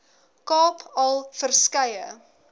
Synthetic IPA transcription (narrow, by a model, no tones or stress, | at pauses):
kɑːpʰɐlˠfərskɐjə